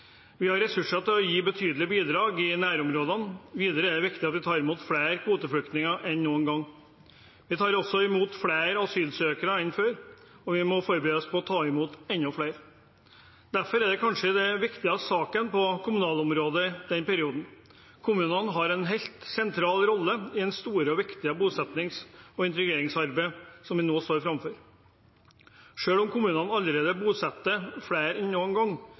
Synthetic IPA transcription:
ʋɪhɑɾɛsʉʂɑt̪ɪlɔjiːbət̪ʰyːd̪l̩ɪbiːd̪ɾɑːɡɪnæːɾɔmɾoːd̪ɑnʋiːd̪əɾəɛɖ̪ɛʋɪkt̪ɪɑt̪ʋɪt̪ʰɑːɾɪmuːt̪fɽeːɾkʰʋuːt̪əfɽʏkt̪nɪŋɑʔɛnːuːənɡɑŋː | ʋɪt̪ʰɑːɾɔsːɔɪmuːt̪fɽeːɾɑʋsyːlsøːkəɾəɪnːføːɾ | ɔʋɪmɔfɔɾbəɾeːəspʰɔɔt̪ʰɑːɪmuːt̪ɛnːɔflæɪɾ | d̪̥æɾfɔɾɛɖ̪ɛkʰɑnʂəd̪ɛʋɪkt̪ɪɑsɑːkənpɔkʰʊmʉnɑːlɔmɾoːd̪əd̪ɛnpɛɾɪuːd̪n̩ | kʰʊmʉːnɑnɦɑɾɛnɦeɪlt̪sɛnt̪ʰɾɑːlɾɔlːəɪɛnst̪uːɾəɔʋɪkt̪ɪəbuːsɛt̪nɪŋsɔɪnt̪ɾɪɡeːɾɪŋsɑɾbəɪsɔmʋɪnoːst̪oːɾfɾɑmføɾ | ʂøːlɔmkʰʊmʉːnɑnɑlːəɾeːd̪əbuːsɛt̪ːəfɽeːɾɛnːuːənɡɑŋː

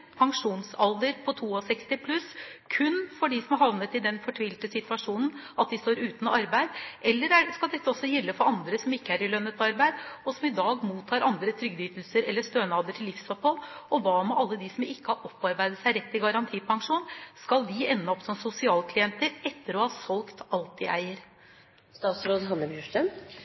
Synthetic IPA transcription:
pʰɑŋʂuːnsɑld̪əɾpʰɔt̪ʰuːɔsɛkst̪ɪpʰlʉskʰʉnfɔɖɪsɔmhɑʋnət̪ɪd̪ɛnfɔʈʰʋiːlt̪əsɪt̪ʋɑʂuːnn̩ʔɑt̪̚d̪ɪst̪oːɾʉːt̪nɔɑɾbæɪd̪ʔɛlːəɾæskɑld̪ɛt̪ːəɔsːɔjɛlːəfɔɾɑnd̪ɾəsɔmɪkːəæɾɪlœnːət̪ɑɾbæɪd̪ɔsɔmɪd̪ɑːɡmuːt̪ʰːɑːɾʔɑnd̪ɾət̪ʰɾʏɡd̪yːt̪lsəɾɛlːəst̪øːnɑːd̪əʈʰɪlːɪfsɔphɔlɔʋɑːmɛʔɑlːəd̪ɪsɔmɪkːəhɑʔɔpːɑɾbæɪd̪əsæɪɾɛt̪ːɪɡɑɾɑnt̪ʰiːpʰɑŋʂuːnskɑld̪ɪɛnːəɔpːsɔmsʊsɪɑːlkʰlɪɛnt̪əɾɛt̪ːəɾɔhɑːsɔlkt̪ɑlt̪ɪʔæ̰ɪəɾ | st̪ɑːt̪sɾoːd̪ɦɑnːəbjʉʂʈəm

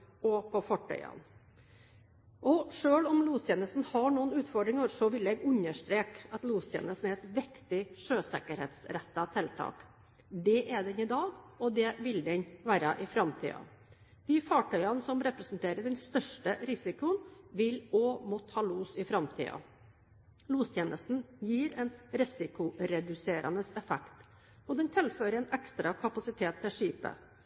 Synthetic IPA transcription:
ɔpɔfɔʈʰœ̰ʏɑ̰n | ʔɔʂøːɭɔmluːst̪jeːnəst̪n̩hɑɳuːənʉːt̪fɔɖɾɪŋəɾsɔʋɪlɛɡʉɲəʂʈ̪ɾeːkɑt̪luːst̪ʰjḛːnəst̪n̩æɾɛt̪ʋɪkt̪ɪʂøːsɛ̰kəɾhḛːt̪sɾɛt̪ːɑt̪ʰɛlt̪ʰɑ̰ːk | d̪ɛʔɛɖ̪ɛnɪd̪ɑːɡɔd̪ɛʋɪld̪ɛɲʋæːɾɑʔɪfɾɑmt̪ʰḭːɑ̰ | d̪̥ɪːfɑːʈʰœʏɑnsɔmɾɛpɾɛsnt̪ʰeːɾəɖɛnst̪œʂʈəɾɪsɪkʊənʋɪloːmɔt̪hɑːluːsɪfɾɑmt̪ʰḭːɑ̰ | luːst̪ʰjeːnəst̪n̩jiːɾɛnɾɪsɪkʊɾɛd̪ʉseːɾʔɑ̰nəsɛfɛkt̪ | ɔd̪ɛnt̪ʰɪlføːɾəɛːnɛkst̪ɾɑkʰɑpɑsɪt̪ʰeːt̪ʰːɪlʂiːpə̰

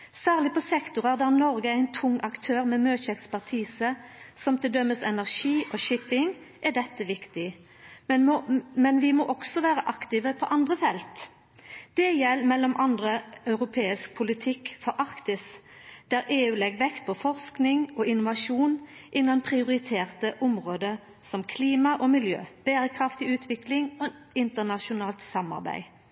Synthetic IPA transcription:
sæːʁlɪpʰɔsɛkt̪ʊʁɑʁd̪æʁnɔɾɡəæɪnt̪ʰʊŋːɑkt̪ʰøːʁmɛmøːçəɛkspæʁt̪ʰiːsəsɔmt̪ʰɪld̪œmːəsɛnæʁʂiːʔɔʃɪpɪŋ | ʔɛɖ̪ɛt̪ːəʋɪkt̪ɪ | mɛnʋɪmɔʔɔksɔʋæːʁəʔɑkt̪ɪʋəpʰɔʔɑnd̪ʁəfɛlt̪ | d̪̥ɛjɛlːmɛlːɔmʔɑnd̪ʁəœʉʁʊpʰeːɪsk̚pʰʊlɪt̪ʰɪkːfɔɾʔɑʁkt̪ɪs | d̪̥æɾʔeːʉːlɛɡʋɛkt̪̚pʰɔfɔʁsknɪŋɔɪnʊʋɑʃuːnʔɪnːɑnpʰʁɪʊʁɪt̪ʰeːʁt̪əʔʊmʁoːd̪ə | sɔmkʰliːmɑʔɔmɪljø̰ːb̥eːɾəkʰʁɑft̪ɪʉːt̪ʰʋɪklɪŋɔɪnt̪ənɑʃʊnɑːlt̪sɑmɑ̰ʁbæ̰ɪ

